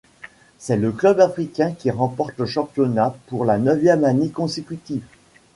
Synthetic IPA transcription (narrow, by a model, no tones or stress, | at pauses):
sɛləklœbafχikʲɛ̃kʲiʁɑ̃pɔʁt̪ləʃɑ̃pjɔnapuʁlanœvjɛmanekɔ̃sekʲyt̪iv